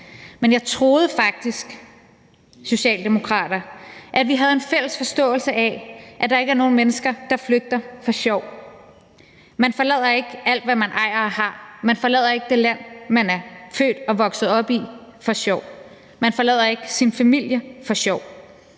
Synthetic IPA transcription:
menjɑ̈ɪt͡sʰʁo̝ːð̞̩ˠəfɑ̈ɡ̥̚d̥isɡ̥ | so̝ɕɛ̰ːld̥e̝mo̝kʰʁɑ̰̈ːd̥ɐʔæʋiɦæð̞ˠe̝nfel̰əsfɒ̽sd̥ɔ̰̽ːl̩səʔæʔæd̥ɑ̈e̝ɡ̥əæɐno̝ːn̩menəsɡ̥ɐd̥ɑ̈fløɡ̥̚d̥ɐfɒ̽ɕɒʊ̰ | mænfɒ̽lɛð̰ˠɐe̝ɡ̥əæl̰d̥ʋæmænʔɑ̈ɪ̰ɐhɑ̈mænfɒ̽lɛð̞̰ˠɐe̝ɡ̥əd̥e̝læn̰mænæɐfø̰ːd̥ɒ̽ʋɒ̽ɡ̥sð̩ˠɒ̽b̥ifɒ̽ɕɒʊ̰ | mænfɒlɛð̰ˠɐe̝ɡ̥əsinfæmil̰jəfɒ̽ɕɒʊ̰

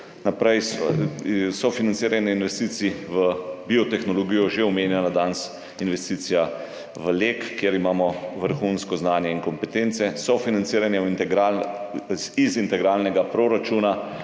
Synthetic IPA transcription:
napɾɛjs | sɔfinansiːɾanjɛinʋɛst̪iːsiʋəbiɔt̪ɛxnɔlɔɡijɔʒeɔmeːnjɛnad̪ans | inʋɛst̪iːt̪sija | ʋəlekːjeɾimaːmɔʋəɾxunskɔznaːnjɛiŋkɔmpɛt̪eːnt̪sɛsɔfinantsiːɾanjɛint̪ɛɡɾal | izint̪ɛɡɾaːlnɛɡapɾoɾat͡ʃuna

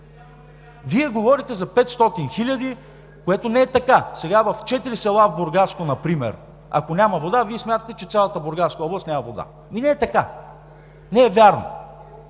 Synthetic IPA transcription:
viɛɡovɔɾit̪ɛzɐpɛt̪st̪ɔt̪inxilʲɐd̪i | koɛt̪onɛɛt̪ɐkasɛɡavɐft͡ʃɛt̪iɾisɛlˠavboɾɡaskonɐpɾimɛ̰ɾ | ɐ̰konʲamɐvod̪aviɛsmʲjat̪ət̪ɛt͡ʃɛt̪sʲjalˠət̪əboɾɡaskəɔblˠɐst̪nʲamɐvod̪a̰ | minɛɛt̪ɐka | nɛɛvʲjaɾno̰

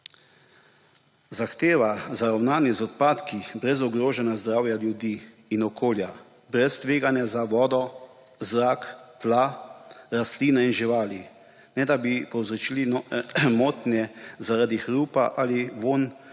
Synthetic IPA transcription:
zaxt̪eːʋazaɾawnaːnizɔt̪paːt̪kibɾɛzɔɡɾoːʒɛnazd̪ɾaːwjaljud̪iː | nɔkʰoːlja | bɾɛst̪ʋeːɡanjazaʋɔːd̪ɔ | zɾaːkt̪laɾast̪liːnainʒiʋaːli | nɛd̪abipɔwzɾɔt͡ʃiːlimoːt̪njɛzaɾaːd̪ixɾuːpa̰ʔaliʋoːn

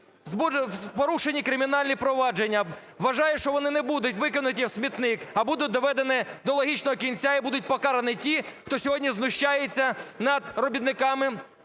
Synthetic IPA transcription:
zbupɔɾuʃenʲikɾɪmʲin̪ɑlʲnʲipɾɔʋɑd͡ʒenʲːɐ | ʋɐʒɑjɛʃt͡ʃɔʋɔnɪnebud̪ʊtʲʋɪkɔnʊt̪̬ʲisʲmʲit̪nɪkɐbud̪ʊt̚ʲd̪ɔʋɛd̪enɪd̪ɔlˠɔɦʲit͡ʃnɔɦɔkʲinʲt͡sʲaibud̪ʊt̚ʲpɔkɑɾɐnɪtʲixt̪ɔsʲɔɦɔdʲnʲiznʊʃt͡ʃajet͡sʲːɐnɐd̪rɔbʲid̪nɪkɑmɪ

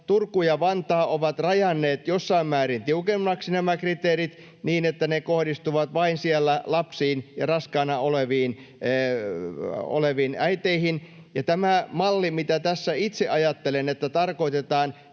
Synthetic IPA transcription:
t̪urkːujɑʋɑnt̪ɑːʔoʋɑt̪rɑjɑnːeːt̪josːɑimmæːrint̪iukemːɑksinæmækrit̪eːrit̪ | niːnet̪ːænekohdist̪uʋɑt̪ʋɑinsiælːælɑpsiːnjɑrɑskɑːnɑoleʋiːnː | o̰leʋiːnæit̪eihin | jɑt̪æmæmɑlːimit̪æt̪æsːæit̪seʔɑjɑt̪ːelenet̪ːæt̪ɑrkoit̪et̪ɑːn

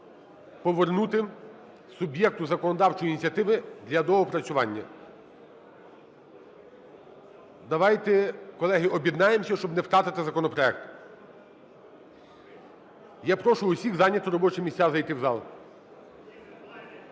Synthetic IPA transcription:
pɔʋernut̪ɪ | sʊbʲjɛk̚t̪ʊzɐkɔnɔd̪ɑwt͡ʃɔjinʲit͡sʲɐt̪ɪʋɪd̪lʲɐd̪ɔɦɔpɾɐt͡sʲʊʋɑnʲːɐ̰ | d̪ɐʋɑjt̪ɛkɔlˠɛɦɪʔɔbʲjid̪nɑjemsʲɐʃt͡ʃɔbnɛwt̪ɾɑt̪ɪt̪ɪzɐkɔnɔpɾɔɛk̚t̪ | japɾɔʃʊʊsʲiɣzɑnʲːɐt̪ʊɾɔbɔt͡ʃɛmʲisʲazɐjt̪ɪwzɑlˠ

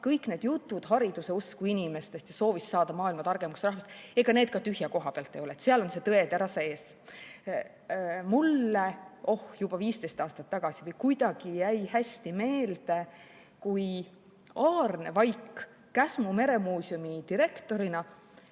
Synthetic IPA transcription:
kɤjkːne̞ːd̪̥jut̪ːˑud̪̥ɦɑɾid̪̥use̞uskuinime̞st̪e̞st̪jɑso̞ːvisːɑːd̪̥ɑmɑːilmɑt̪ɑrɡ̥e̞mɑksrɑhvɑst̪e̞ɡ̥ɑne̞ːd̪̚kɑt̪yɦjɑko̞ɦɑpeɑlt̪ːˑejo̞let̪seɑlo̞nse̞t̪ɤe̞t̪æɾɑseːs | mulːeʔo̞hjub̥ɑviːst̪e̞jst̪ɑːst̪ɑt̪ːɑɡ̥ɑsivɤjkujd̪̥ɑɡ̥ijæjhæsʲt̪ime̞ːld̪̥e̞ | kuj | ɑːrne̞vɑjkː | æsmume̞ɾe̞muːsʲjumit̪iɾe̞kt̪o̞ɾinɑ

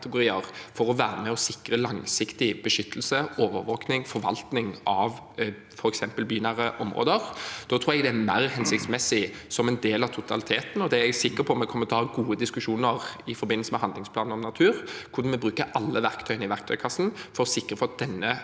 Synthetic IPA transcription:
t̪əɡʊɾiːəʁfɔɾɔʋæːɾəmɛɔsɪkʁəlɑŋsɪkt̪ɪbəʂʏt̪ʰːəl̩səoːʋə̰ɾʋoːknɪŋfɔɾʋɑ̰lt̪nɪŋɑʋ | fɔɾɛksɛmpəlbyːnɑɾəʔɔmʁo̰ːd̪əɾd̪̥ɔːt̪ʰɾuːɛɡd̪ɛæmæɪʁhɛnsɪk̚t̪smɛsːɪsɔmɛnd̪eːlɑʋt̪ʰʊt̪ʰɑ̰lɪt̪ʰeːt̪n̩ɔd̪ɛæɛsɪkːəɾpʰɔɔmɛkʰɔmːət̪ʰɔhɑːɡuːəd̪ɪskʉʂuːnəʁɪfɔɾbɪnːəlsəmɛhɑnd̪lɪŋsplɑːnn̩ɔmnɑt̪ʰʉːɾkʰʊɾd̪ɑnmɛbɾʉːkəɑlːəʋæɾkt̪ʰœʏənəɪʋæʁkt̪ʰœʏkʰɑsːn̩fɔɾɔsɪkːɾəfɔɑt̪̚d̪ɛnːə

